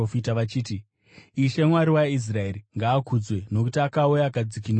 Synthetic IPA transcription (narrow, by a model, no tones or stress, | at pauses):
ofitaʋat͡ʃiːti | iʃe̞mwaɾiwais̬rae̞ɾiŋɡaːkud͡zwe̞no̞kutiakaujaːkad͡zikin